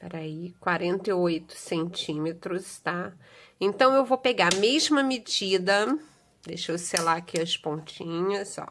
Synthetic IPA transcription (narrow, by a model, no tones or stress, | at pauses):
pɛɾaikwaɾẽnt̪ɐojt̪ʊ̥sẽnt͡ʃĩmet̪ɾʊst̪a | ẽnt̪ɐ̃w̃ewvopeɡaamezmɐmed͡ʒid̪ɐ | d̪eʃoselakʰiɐspõnt͡ʃĩɲɐsɔ̰